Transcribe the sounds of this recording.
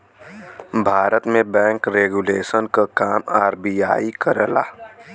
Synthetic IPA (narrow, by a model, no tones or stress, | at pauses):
bʱaːɾət̪mẽbɛ̃ːŋkɾeːɡuleːʃənkakaːmaːɾbijaːikəɾəla̰ː